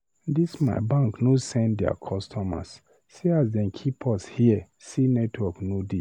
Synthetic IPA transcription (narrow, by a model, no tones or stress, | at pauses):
disma̰ɪbãŋknosɛ̃ndɛa̰kʰɔstʰɔma̰s | siasdɛ̃nkʰipʰɔshiə | sinɛtʰwɔknodi